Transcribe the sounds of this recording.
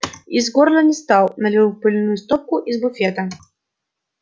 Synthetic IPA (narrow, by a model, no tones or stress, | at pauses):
izɡɔɾnɐnʲɛst̪awˠnɐlʲɨwpɨlʲnujust̪ɔp̚kʊʔizbʊfʲɛt̪ɐ